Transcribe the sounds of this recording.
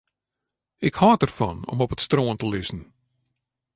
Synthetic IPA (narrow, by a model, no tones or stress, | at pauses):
ɪkhɔːt̚ərfɔ̰nɔ̰mɔpətstroːəntəlɪsn̩